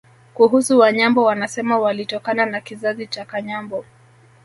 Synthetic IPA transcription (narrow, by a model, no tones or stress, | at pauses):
kuɦusuwaɲambɔwanasɛmawalitɔkananakizazit͡ʃakaɲambɔ